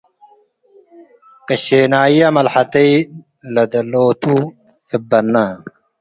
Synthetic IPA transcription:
kɐɕeːnaːjjɐmɐlħɐt̪ɐi | lɐd̪ɐloːt̪ʰu | hibːɐnːa

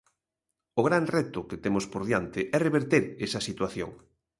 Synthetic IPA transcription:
ʊɣɾanrɛt̪ʊket̪emʊspoɾðjant̪ɪʔɛreβeɾt̪eɾesɐsit̪waθjo̰ŋ

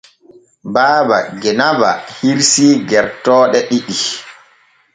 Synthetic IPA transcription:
baːbaɡɛnaba̰hiɾsiːɡɛɾtɔːɗɛɗiɗi

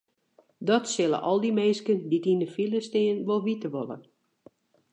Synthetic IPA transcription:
dɔtsɪlˠə̰ʔɔlˠdimeːskənditindəfilˠəstɪːnʋolˠʋitəʋolˠə̰

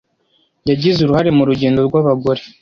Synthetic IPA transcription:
jaɟizuɾuhaɾe̞muɾuɟeːndo̞ɾɡwaβaɡo̞ɾe

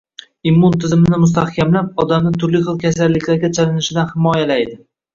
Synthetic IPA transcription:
imːʊnt̪ʰɪzɪmɪnɪmʊst̪ahkʲamlap̚ɒd̪amnɪt̪ʰʊɾlɪχɨlˠkʲʰasalːɪkʲlaɾɡʲat͡ʃʰalɪnɪʃɪd̪anhɪmɒjalajd̪ɪ

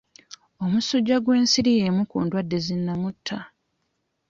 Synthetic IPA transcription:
o̞musuɟːaɡwe̞ːnsiɾijemukṵːndwadːe̞zinːamutʰːa

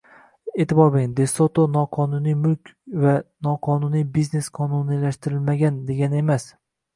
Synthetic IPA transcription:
et̪ɪbɒɾbɪŋd̪esot̪ʰonɒqʰɒnunijmʊlkʲvanɒqʰɒnunijbizne̞sqʰɒnunilaʃt̪ɪɾɪlmaɡʲand̪e̞ɡʲane̞mas

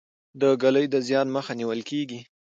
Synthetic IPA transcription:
d̪əɡaləjd̪əzjɑnməxaniwəlkeɡi

